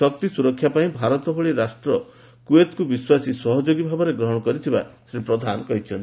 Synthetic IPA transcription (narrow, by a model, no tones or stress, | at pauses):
ɔk̚t̪isuɾɔkʰːjapaĩbʱaɾɔt̪ɔbʱɔɭiɾasʈɾɔ | kuet̪kubiswasisɔɦɔd͡ʒoɡibʱabɔɾeɡɾɔɦɔɽ̃ɔkɔɾit̪ʰiba̰sɾipɾɔd̪ʱanɔkɔɦit͡ʃʰɔnt̪